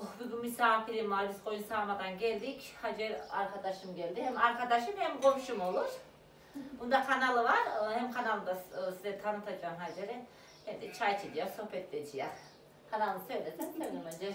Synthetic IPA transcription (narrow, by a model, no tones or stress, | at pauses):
obyɡʲynmisaːfilʲimmalʲiskʰo̞junsaːmad̪anɟɛlʲd̪ichad͡ʒɛɾaɾkʰad̪aʃɯmɟɛlʲd̪ihɛmaɾkʰad̪aʃɯmhɛmɡo̞mʃumo̞lˠuɾ̥ | bund̪akʰanalˠɯvaɾhɛmkʰanalˠɯd̪asizɛt̪ʰanɯt̪ʰad͡ʒaːnɦad͡ʒeɾɛ | hɛmd̪it͡ʃʰajt͡ʃʰid̪ijoɾso̞hpɛt̪lʲed͡ʒija | kʰanalˠnɯsø̞jlʲed̪imt̪ʰønimønd͡ʒɛ